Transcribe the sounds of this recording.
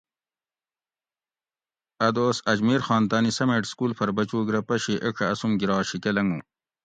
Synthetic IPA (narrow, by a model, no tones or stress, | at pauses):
ɐd̪oːsɐd͡ʑmiːɾxɑːnt̪aːnisɐmeʈskuːlpʰɐɾbɐt͡ɕuːɡɾɐpɐɕiʔekʰɐɐsumɡiɾɑːɕikelɐŋɡũː